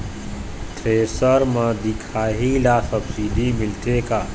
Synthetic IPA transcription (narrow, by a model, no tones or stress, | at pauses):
ʈ̪ʰɾesəɾməd̪ikʰaɦilasəbsid̪ʱimilt̪ʰeka